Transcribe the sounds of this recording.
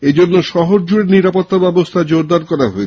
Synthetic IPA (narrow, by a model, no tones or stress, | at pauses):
ed͡ʑonːoʃɔɦoɾd͡ʑuɾeɾniɾapot̪ːabɛbost̪ʰad͡ʑoɾd̪aɾkɔɾaɦoet͡ɕʰ